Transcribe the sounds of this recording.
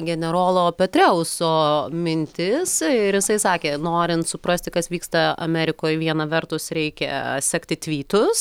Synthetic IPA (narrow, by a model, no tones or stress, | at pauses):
ɡʲɛnʲɛɾoːlˠoːpʲɛt̪ʲɾʲɛʊsoːmʲɪnʲt̪ʲɪsɪɾjɪsɐɪsɑːkʲeːnoːɾʲɪnt̪sʊpɾɐsʲt̪ʲɪkɐsʋʲiːkst̪ɐɐ̰mʲɛɾʲɪkoːjʋʲiɛnɐʋʲɛrt̪ʊsɾʲɛɪkʲɛ̰sʲæːkt̪ʲɪt̪ʲʋʲiːt̪ʊs